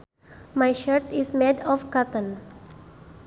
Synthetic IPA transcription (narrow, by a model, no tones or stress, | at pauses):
majʃəɹt̪ismedɔfkat̪ə̃n